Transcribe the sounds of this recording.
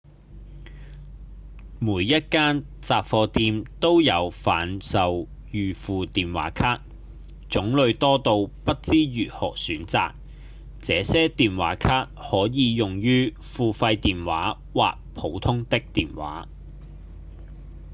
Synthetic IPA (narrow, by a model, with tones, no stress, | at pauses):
muː˨˥jːɐ˥t̚kaː˥n | t͡saː˨pfɔː˧t̪iː˧mt̪o˥wjɐ˨˧wfaː˨˥nsɐ˨w | jyː˨fuː˨t̪iː˨nwa̰ː˨˥kʰaː˥k̚ | t͡sʊ˨˥ŋlɵ˨˧ɥt̪ɔː˥t̪o˧wpɐ˥t̚t͡siː˥jyː˨˩hɔ̰ː˨˩syː˨˥nt͡sa̰ː˨k̚ | t͡sɛː˨˧sɛː˥t̪iː˨nwa̰ː˨˥kʰaː˥t̚hɔː˨˥jiː˨˧jʊ˨ŋjyː˥ | fuː˨fɐ˧jt̪iː˨nwa̰ː˨˥ | wa̰ː˨k̚pʰo˨˥wt̪ʰʊ˥ŋt̪ɪ˥k̚t̪iː˨˩nwa̰ː˨˥